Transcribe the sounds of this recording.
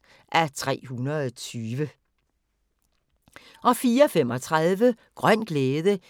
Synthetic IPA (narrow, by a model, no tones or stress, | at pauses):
ʔæt͡sʰʁɛ̰ːhunɐðˠɒt͡sʰyːʋə | ʔɒ̽fiːɐɒfem̰ɒ̽t͡sʰʁɑðˠʋə | ɡ̥ʁɶn̰ɡ̥leːðˠə